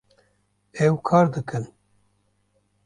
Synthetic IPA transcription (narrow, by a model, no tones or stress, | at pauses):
ɛwkʰɑːɾd̪ɨkɨn